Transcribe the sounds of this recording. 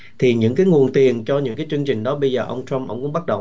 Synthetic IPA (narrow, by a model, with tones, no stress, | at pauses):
t̪ʰi˨˩ɲɨ̰˧˥ŋkaː˨˦jŋu˨˩ənt̪i˨˩ənt͡ɕɔ˧ɲɨ̰˧˥ŋkaː˨˦jt͡ɕɨ˧əŋt͡ɕï˨˩ŋ̟ɗɔ˨˦ɓə˧jzəː˨˩ʔə˧wŋ͡mt͡ɕa˧mʔə̰˧˥wŋ͡mkʊ̰˧˥ŋ͡mɓa˦˥t̚ɗə˨˩